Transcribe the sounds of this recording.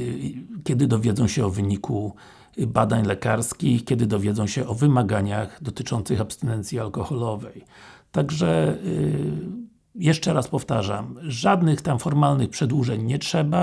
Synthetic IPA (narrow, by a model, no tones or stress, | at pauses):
kʲɛd̪ɘd̪ɔvʲjeɛd̪zɔ̃w̃ɕɛɔvɘɲikʰu | bad̪aɲlɛkaɾskʲixkʲɛd̪ɘd̪ɔvʲjɛd̪zɔ̃w̃ɕɛʔɔvɘmaɡaɲaɣd̪ɔt̪ɘt͡ʂɔnt̪sɘxapst̪ɛnɛnt̪sʲjialkɔxɔlɔvɛjt̪aɡʐɛ | jɛʂt͡ʂɛɾaspɔft̪aʐa̰mʐad̪nɘxt̪amfɔɾmalnɘxpʂɛd̪wuʐɛɲɲɛtʂɛba